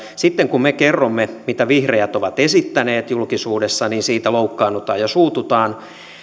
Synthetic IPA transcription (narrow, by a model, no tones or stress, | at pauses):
sit̪ːeŋkummekerːomːemit̪æʋihrejæt̪oʋɑt̪esit̪ːæneːt̪julkisuːdesːɑniːnsiːt̪æloukːɑːnːut̪ɑ̰ːjɑsuːt̪ut̪ɑːn